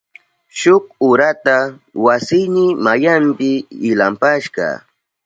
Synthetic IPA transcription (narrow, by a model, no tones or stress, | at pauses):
ʃʊk̚ʊɾat̪a | wasɪjnɪmajampɪːlampaʃɢɑ̰